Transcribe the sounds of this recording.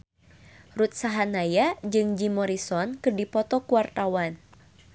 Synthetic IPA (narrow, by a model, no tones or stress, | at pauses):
rut̪̚saɦanajad͡ʒɨŋd͡ʒimɔɾisɔnkɨrdipɔt̪ɔkuart̪awan